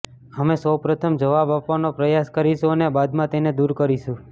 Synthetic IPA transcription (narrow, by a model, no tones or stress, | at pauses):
əmesəwpɾət̪ʰəmd͡ʒəʋabapʋanopɾəjaskəɾiʃũənebad̪mãt̪ened̪uɾkəɾiʃũ